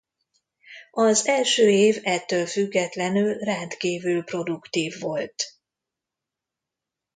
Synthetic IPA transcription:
ɒzɛlʃøːeːvɛt̪ːøːlfyɡːɛt̪lɛnylrɛnt̪kiːvylpro̞d̪ukt̪iːvːo̞lt̪

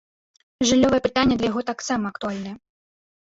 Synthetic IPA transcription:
ʐɨlʲːɔvɐjɛpɨt̪anʲːɐd̪lʲɐjaɣɔt̪aksamɐɐk̚t̪ualʲnɨjɛ

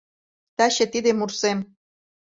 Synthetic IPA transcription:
t̪ɑɕĕt̪id̪emursem

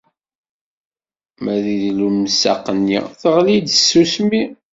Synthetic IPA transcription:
mæðiðlumsa̰qːənːḭθəʁlid̪əsːusmi

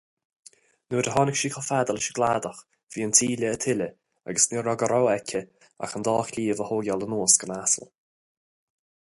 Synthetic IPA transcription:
nuːɾəɦɔnɪkʃiːkʰɔfad̪əlɪʃəɡlaːd̪əx | v̥iːəntʰiːlʲəːt̪ʰɪlə | a̰ɡəsneːɾɔɡəɾɔwɛkʰʲə | a̰xənd̪ɔːxliːvəhoːɡalənoːsɡ̥ənasə̰l

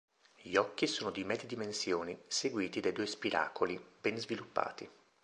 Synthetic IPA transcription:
ʎiɔkːisoːnod̪imɛid̪imensjoːniseɡwiːt̪id̪ajd̪uːespiɾʔa̰ːkolibɛnzvilupːa̰ːt̪i

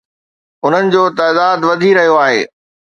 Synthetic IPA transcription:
ʊn̤ənɪ̆d͡ʑoːt̪aːd̪aːd̪ʋɐd̪ʱiɾɐɦijoaːɦḛː

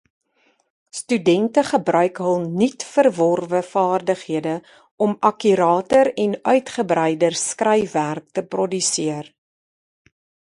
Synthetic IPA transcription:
stydɛntəχəbrœɥkɦəlˠnitfərvɔrvəfɑːrdəχɦiədə | ɔmʔɐkyɾɑːtəɾɛnœɥtχəbrɛjdərskrɛjværk̚təprɔdysiər

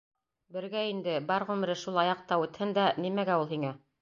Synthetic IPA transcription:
bɘ̆ɾɡæind̪ɘbɑɾʁʉ̆m̆ɾɘʃulˠɑjɑq̚t̪ɑʉt̪hɘnd̪ænimæɡæulˠɦiŋæ

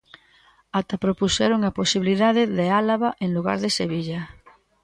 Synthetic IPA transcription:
at̪apɾopusɛɾoŋaposiβiliðaðeðealaβaʔeŋluɣ̞a̰ɾðeseβiʎa

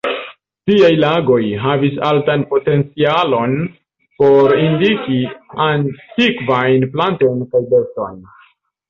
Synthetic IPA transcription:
tiajlaɡo̞jɦavisaltanpo̞te̞nt͡sialo̞n | po̞ɾindikiantikvajnplanto̞jnkajbesto̞̰n

